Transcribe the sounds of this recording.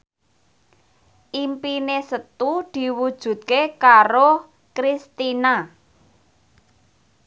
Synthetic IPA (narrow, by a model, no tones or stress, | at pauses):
ʔimpinesət̪ud̪̥i̤wud̥ʒ̥ṳt̪̚kekaɾo | kɾist̪ina